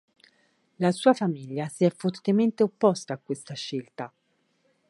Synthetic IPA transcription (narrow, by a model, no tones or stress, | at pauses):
lasuːafamiʎːasiɛfːort̪ement̪eopːɔst̪aːkːwest̪aʃːelt̪a